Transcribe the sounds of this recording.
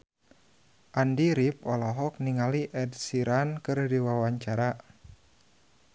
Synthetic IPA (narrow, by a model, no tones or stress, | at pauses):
ʔandiɾip̚ɔlɔɦɔk̚niŋaliʔɛd̚siɾankɨrdiwawaɲt͡ʃaɾa